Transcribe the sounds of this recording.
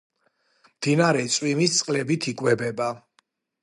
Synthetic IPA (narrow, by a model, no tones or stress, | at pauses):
md̪̥inaɾɛt̪sʼwimist̪sʼqʼlɛbit̪ʰikʼwɛbɛba